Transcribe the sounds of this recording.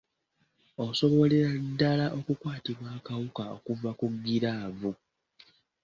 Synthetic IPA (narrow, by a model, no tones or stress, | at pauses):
o̞so̞βo̞leɾadːalaʔo̞kukwaːtiβwaːkawukao̞̰kuvakuɡːiɾaːvu